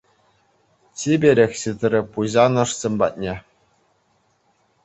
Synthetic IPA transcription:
t͡ɕʲibʲeɾʲexʲɕit̪rʲɘ̆puʑɑnɤ̆ʂsʲĕmʲbɑ̰t̪̚nʲe

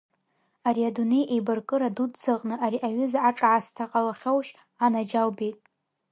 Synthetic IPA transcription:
aɾiadunejʔejbɨrkʼɨɾadudt͡sɨqʼnɨʔaɾiʔaɥʏzaaʈ͡ʂʼʕastʰaqʼalaχʲowʃ | anad͡ʒawbijtʼ

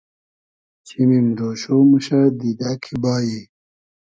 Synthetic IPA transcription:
t͡ɕʰimimɾoːɕoːmuɕad̪id̪akʰibaːji

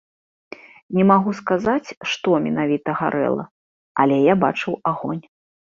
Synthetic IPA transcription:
nʲɛmaɣuskazat͡sʲʂt̪ɔmʲɛnavʲit̪ɐɣa̰ɾɛ̰lˠɐ̰ | ɐlʲɛjaba̰t͡ʂɨwaɣɔnʲ

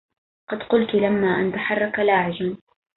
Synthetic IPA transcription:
qɑd̪qʊlt̪ulamːaːʔant̪aħɑrˤːɑkalaːʕɪd͡ʒan

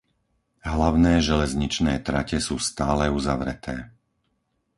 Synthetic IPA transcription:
ɦlaʊnɛːʒɛlɛzɲit͡ʃnɛːt̪ɾacɛsuːst̪aːlɛuzaʋɾɛ̰t̪ʰɛː

